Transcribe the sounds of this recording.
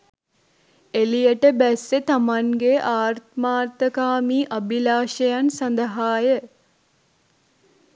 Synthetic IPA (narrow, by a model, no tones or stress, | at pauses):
elijəʈəbæsːet̪amaŋɡeʔaːɾt̪maːt̪əkaːmiːʔɐbilaːʃəjansand̪əɦaːjə